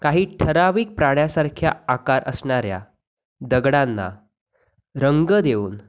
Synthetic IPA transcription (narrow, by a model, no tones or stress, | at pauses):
kaɦiːʈʰəɾaʋiːk̚pɾaɽ̃jasaɾkʰjaakaɾʔə̰sɳaɾja̰ | d̪əɡɽanːa̰ | ɾəŋɡəd̪euːn